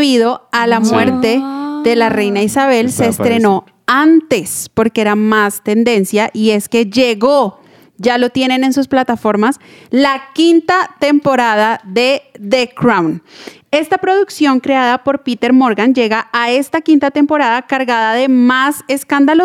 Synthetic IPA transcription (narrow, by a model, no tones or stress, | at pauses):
iðo̞alamwe̞ɾt̪e̞ðe̞lare̞jnaisaβe̞lse̞ːst̪ɾe̞no̞ | ant̪e̞spo̞ɾkeeɾamast̪e̞nd̪e̞nsjaʔie̞ske̞d͡ʒe̞ɣo̞ | d͡ʒalo̞t̪je̞ne̞ne̞nsusplat̪afo̞ɾmaslakint̪at̪e̞mpo̞ɾaðaðe̞ðekɾawn | e̞st̪apɾo̞ðuksjo̞ŋkɾe̞aðapo̞ɾpit̪e̞ɾmo̞ɾɣand͡ʒe̞ɣaʔae̞st̪akint̪at̪e̞mpo̞ɾaðakaɾɣaðaðe̞mase̞skand̪alo